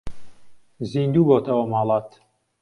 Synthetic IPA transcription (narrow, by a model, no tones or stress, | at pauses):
ziːnd̪uːboːt̪ʰɐwɐmɑːlˠɑːt̪